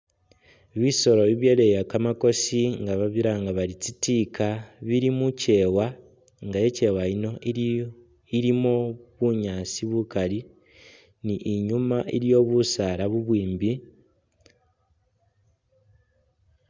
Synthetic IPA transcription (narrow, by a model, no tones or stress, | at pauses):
βiso̞ɾo̞βiβjelejakamako̞siŋɡaβaβiɾaŋɡaβalit͡sitikʰaβiɾimuce̞ːwa | ŋɡaje̞ce̞waino̞i | iɾimoβuɲaːsiβukali | niʔiɲumaʔiɾjo̞βusaɾaβuβwiːmbi